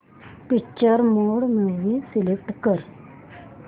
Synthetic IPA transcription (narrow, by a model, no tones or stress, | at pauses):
pikt͡ʃːəɾmoːɽmẽʋisilek̚ʈkəɾ